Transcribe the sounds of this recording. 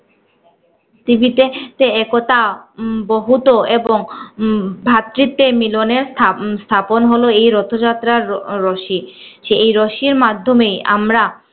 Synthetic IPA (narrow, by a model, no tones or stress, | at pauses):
t̪ibit̪et̪eɛkot̪abɔɦut̪oeboŋ | bʱat̪ːɾit̪ːemiloneɾst̪ʰaponɦoloejɾɔt̪ʰod͡ʑat̪ːɾaɾːɔʃiʃeejɾɔʃiɾmad̪ʱːomeja̰mɾa